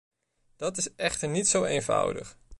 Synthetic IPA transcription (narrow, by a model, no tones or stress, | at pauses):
d̥ɑtɪsɛχtəɹnitsowejnvʌ̰wdə̰χ